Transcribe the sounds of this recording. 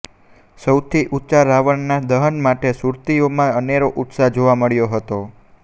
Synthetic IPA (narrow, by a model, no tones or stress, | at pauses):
səwt̪ʰiʔutːt͡ʃaɾaʋəɳnad̪əɦənmaʈesuɾt̪iomãəneɾoʔut̪sad͡ʒoʋaməɭjoɦət̪o